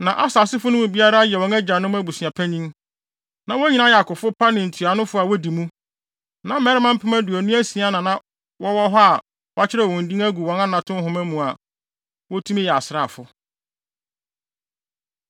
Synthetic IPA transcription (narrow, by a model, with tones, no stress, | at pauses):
nã˨ʔa˦saː˨sɪ˦fʊ˦nʊ̃˦mũ˨bi˦a˦ɾa˦jɛ˨wɔ̃˨næ˦d͡ʑa˨nʊ̃˦mæ˦bu˨si˨a˨pʰæ˦ɲĩ˦m | nã˨wɔ˦ɲi˨nã˦jɛ˨a˨kʊ˨fʊ˦pʰa˦nɪ̃˨n̩˨tʰu˨a˨nʊ̃˦fʊ˦a˨wɔ˦di˨mũ˦ | nã˨mɛ˦ɾɪ˦mã˦m̩˦pʰɪ˦mæ̃˦dʊ˨æ˨nũ˦æ˦si˨a˦nã˨nã˨ | wɔ˦wɔ˦ɦɔ˦a˨ | wa˦t͡ɕʰɪ˦ɾɛ˨wɔ̃˨n̩˨dĩ˦ŋæ˦ɡu˨wɔ̃˨˦nã˦nã˨tʰʊ̃˦ɦʊ̃˨mæ̃˦mũ˨a˨ | wɔ˦tʰu˦mĩ˦jɛ˨a˨sɪ˨ɾa˨fʊ˦